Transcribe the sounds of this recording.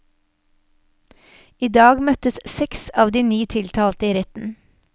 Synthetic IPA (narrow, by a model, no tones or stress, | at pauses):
iːd̪ɑːɡmœt̪əssɛksɑːʋd̪iːnyːt̪ʰɪlt̪ʰɑːlt̪əiːɾɛt̪n̩